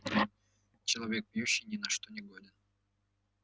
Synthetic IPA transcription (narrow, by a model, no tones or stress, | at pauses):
t͡ɕɪlˠɐvʲek̚pjuɕːɪjnʲɪnɐʂt̪onʲɪɡod̪ʲɪn